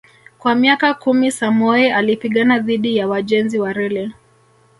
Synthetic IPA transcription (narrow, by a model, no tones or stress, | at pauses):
kwamiakakumisamɔɛalipiɠanaðiɗijawaʄɛnziwaɾɛlɛ